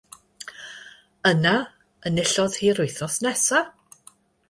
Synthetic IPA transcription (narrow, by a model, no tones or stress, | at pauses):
əna | ənɪɬɔð̥hiːɾʊɨθɔsnɛsa